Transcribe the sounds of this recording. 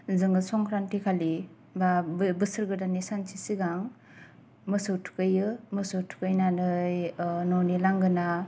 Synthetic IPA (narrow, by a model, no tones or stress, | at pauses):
zɯŋɡɯsɔŋkʰɾantikʰali | babɯsɯɾɡɯdanisant͡ʃʰisiɡaŋ | mɯsɯwtʰu̥kɯjɯmɯsɯwtʰu̥kɯjnanɯjnɔwnilaŋɡɯna